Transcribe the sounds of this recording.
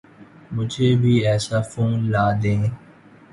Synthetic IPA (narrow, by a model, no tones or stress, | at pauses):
mʊd͡ʒʱeːbʱiːɛːsaːfuːnlaːd̪ẽː